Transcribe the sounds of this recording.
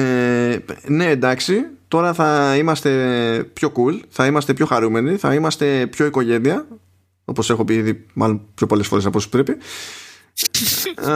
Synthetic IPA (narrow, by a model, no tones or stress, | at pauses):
e | ne̞ːnd̪ɐksit̪o̞ɾɐθɐimɐst̪e̞pço̞kulθɐimɐst̪e̞pço̞xɐɾume̞niθɐ̰imɐst̪e̞pço̞iko̞ʝe̞niɐ | o̞po̞se̞xo̞piiðimɐlo̞npço̞po̞le̞sfo̞ɾe̞sɐposu̥pɾe̞pi